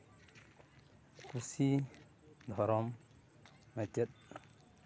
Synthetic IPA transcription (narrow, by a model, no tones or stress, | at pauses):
kusi | dhoɾom | mateɗ